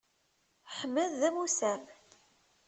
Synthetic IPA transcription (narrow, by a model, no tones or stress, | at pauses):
ħəmːəðːæmusæm